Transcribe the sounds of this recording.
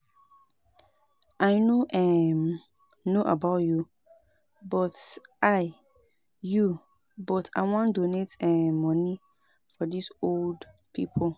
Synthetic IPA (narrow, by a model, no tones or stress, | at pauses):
ʔaɪnoʔɛm | noʔa̰baʊtju | bɔtʔaɪ | ju | bɔtʰa̰ɪwɔ̃ndonetɛmɔ̃ni | fɔdisold | pʰḭpʰol